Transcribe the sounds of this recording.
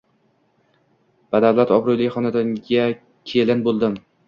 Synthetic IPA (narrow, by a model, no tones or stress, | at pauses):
b̥ad̪awlat̪ɒbɾʊjlɪχɒnad̪aŋɡʲa | kʲʰelɪnbolˠd̪ɪm